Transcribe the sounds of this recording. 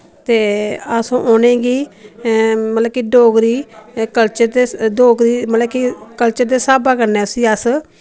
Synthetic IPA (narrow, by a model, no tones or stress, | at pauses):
t̪eːasõːʔoːnẽːɡiː | mət̪ləb̚kiːɖoːɡɾiːkəlt͡ʃəɾd̪eːɖoːɡɾiːmət̪ləbkikəlt͡ʃəɾd̪eːsaːbaːkəɾneːsĩːəs